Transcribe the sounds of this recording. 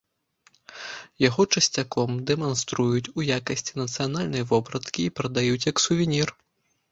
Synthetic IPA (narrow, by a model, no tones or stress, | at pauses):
jaɣɔt͡ʂɐsʲt͡sʲakʰɔmd̪ɛmanst̪ɾujut͡sʲujakɐsʲt͡sʲi̥nɐt̪sɨjanalʲnɐjvɔbɾɐt̪kʲiːpɾɐd̪ajut͡sʲjɐksuvʲinʲir